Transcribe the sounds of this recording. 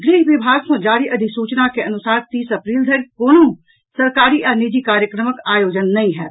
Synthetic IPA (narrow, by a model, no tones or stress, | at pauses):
ɡɾiːɦʋɪbʱaːɡsõd͡ʒaːɾiʔɐd̪ʱɪksuːt͡ʃnakeɐnʊsaːɾt̪iːsɐpɾiːld̪ʱɐɾkoːnõ | sɐɾkaːɾiʔɐɾnid͡ʒikaːɾjəkɾəməkaːjoːd͡ʒənːɐɦĩɦɛː